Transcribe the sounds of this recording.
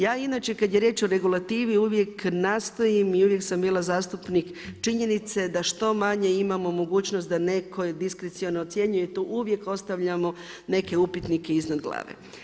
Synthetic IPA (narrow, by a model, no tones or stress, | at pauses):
jaːinaːt͡ʃe̞kad̪je̞ɾje̞ːt͡ʃo̞ɾe̞ɡulˠat̪iːʋiuʋje̞knaːst̪o̞jimiuʋje̞ksambiːlˠazaːst̪upnikt͡ʃiɲe̞nit̪se̞d̪aʃt̪o̞maɲe̞imamo̞mo̞ɡuːt͡ɕnost̪d̪ane̞kʰo̞d̪iskɾet̪sionot̪sje̞ɲujet̪uʔuʋje̞ko̞st̪aʋʎamo̞ | ne̞ke̞upit̪nike̞iznad̪ɡlˠa̰ːʋḛ